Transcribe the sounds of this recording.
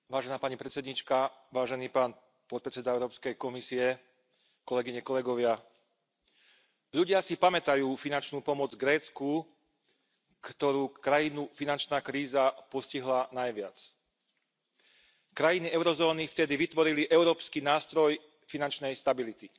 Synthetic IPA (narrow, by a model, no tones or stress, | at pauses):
ʋaːʒɛnaːpaɲipɾɛt̪t͡sɛd̪ɲit͡ʃkaʋaːʒɛniːpaːn | pɔt̪̚pɾɛt͡sɛd̪aɛʊɾɔːpskɛjkɔmisiɛ | kɔlɛɡiɲɛkɔlɛɡɔʋɪa | ʎuɟɪasipamɛt̪ajuːfinant͡ʃnuːpɔmɔd͡zɡɾɛːt͡sku | kt̪ɔɾuːkɾajinufinant͡ʃnaːkɾiːzapɔsciɦlanajʋɪa̰t͡s | kɾajiniɛʊɾɔzɔːnift̪ɛd̪iʋit̪ʋɔɾiliʔɛʊɾɔːpskiːnaːst̪ɾɔj | finant͡ʃnɛjst̪abilit̪i